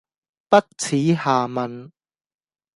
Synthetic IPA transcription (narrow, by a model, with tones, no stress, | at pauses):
pɐ˥t̚t͡sʰiː˨˥haː˨mɐ˨n